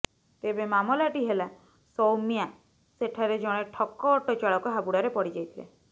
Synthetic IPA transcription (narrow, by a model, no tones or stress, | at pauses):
t̪ebemamɔlaʈiɦela | sɔwmija | seʈʰaɾed͡ʒɔɽ̃eʈʰɔkːɔːʈɔt͡ʃaɭɔkɔɦabuɽaɾepɔɽid͡ʒajt̪ʰilḛ